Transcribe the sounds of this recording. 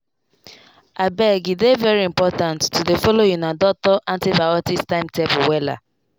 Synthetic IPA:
abɛɡidevɛɹiĩmpɔtãntːudefɔlojĩnadɔk̚tɔʔãntibawɔtistãɪ̃mtɛpuwɛla̰

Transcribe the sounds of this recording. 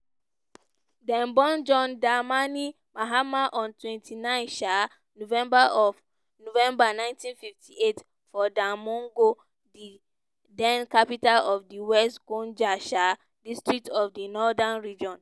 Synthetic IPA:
dɛ̃nbɔ̃nd͡ʒɔ̃ndamani | maɦamaʔɔ̃ntwɛ̃ntʰinãɪ̃nʃa | novɛ̃mbaɔ | novɛ̃mbanãɪ̃ntĩnfiftʰiet | fɔdãmɔ̃ŋɡo | di | dɛ̃nkapitalɔfdiwɛstɡõnd͡ʒaʃa | distɹiktɔfdinɔdanɹid͡ʒɔ̃n

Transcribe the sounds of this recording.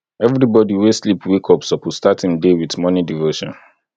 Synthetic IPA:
ɛvɾibɔdiweslipwikʰɔpsɔpilstatĩmdewiθmɔnidivoʃɔ̰̃n

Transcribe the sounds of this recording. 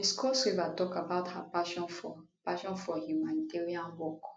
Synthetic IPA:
iskɔswevatɔkabaʊthapaʃɔ̃nfɔ | paʃɔ̃nfɔhjumaniteɹiãnwɔk

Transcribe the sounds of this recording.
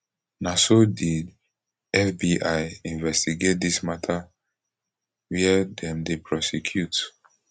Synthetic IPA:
nasodid | ɛfbiʔajĩnvɛstiɡet̚dismatʰa | wɛɛdɛ̃mdepʰɹɔsɛkʰjut

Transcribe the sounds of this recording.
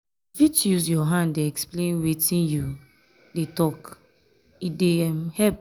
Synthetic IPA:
vitjusjɔɦãndeɛksplẽnwetĩnju | detɔk | idemhɛp̚

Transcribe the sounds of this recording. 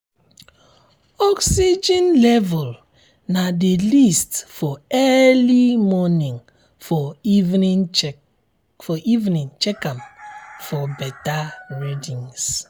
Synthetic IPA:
ɔksid͡ʒĩnlɛvɔl | nadelistfɔɛlimɔnĩŋ | fɔv | fɔʔivnĩnt͡ʃɛkãmfɔbɛtaɹidĩŋs

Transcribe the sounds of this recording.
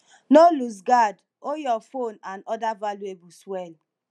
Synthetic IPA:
nolus̬ɡad | ojɔfonanɔdavalueɡuswel

